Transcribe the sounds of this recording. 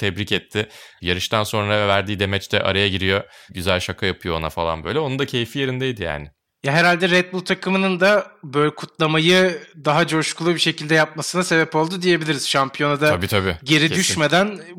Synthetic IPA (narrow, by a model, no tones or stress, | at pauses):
t̪ʰɛbɾicɛt̪ʰːɪjaɾɯʃt̪ʰanso̞nɾavæɾd̪iːd̪e̞mɛt͡ʃt̪ʰɛʔa̰ɾajaɟiɾijo̞ɟyzælʲʃakʰajapʰɯjo̞ona̰falˠa̰nbø̞jlʲɛo̞nund̪acʰe̞jfije̞ɾind̪ejd̪ija̰ːnɪ | jaɦeɾalʲd̪ɛɾɛt̪̚bulˠt̪ʰakʰɯmɯnɯnd̪abøjlʲɛkʰut̪lˠamajɯd̪aɦad͡ʒo̞ʃkʰulˠubiʃe̞cilʲd̪ɛjap̚masɯnase̞bɛpo̞lˠd̪ud̪ije̞bilʲiɾiz̥ʃampʰijo̞nad̪aabiːt̪ʰabiɟe̞ɾid̪yʃme̞d̪æn